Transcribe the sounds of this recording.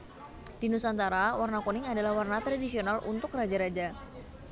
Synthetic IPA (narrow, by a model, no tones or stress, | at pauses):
d̥inusant̪aɾawarnakonɪŋadalahwarnat̪ɾadisionalṵnt̪ʊkrad͡ʒaɾad͡ʒa